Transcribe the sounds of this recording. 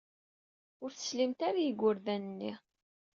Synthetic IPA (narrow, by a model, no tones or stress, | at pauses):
ʊɾθə̥slimt̪aɾajəɡʷːʊɾðænənːi